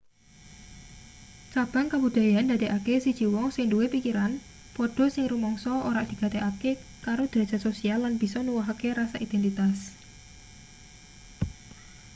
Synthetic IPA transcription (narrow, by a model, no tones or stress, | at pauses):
t͡ʃab̥a̤ŋkab̥ṳd̪̥a̤jand̪a̤d̪eʔakesid̥ʒ̥i̤wɔŋsɪŋduwepikiɾan | pɔɖ̥ɔ̤sɪŋɾumɔŋsɔoɾaʔd̪̥i̤ɡ̥a̤d̪ekakekaɾod̪̥əɾe̥d͡ʒ̥a̤sosialːanb̥i̤sɔnuwɔɦakeɾasaʔid̥̪ɛnt̪it̪as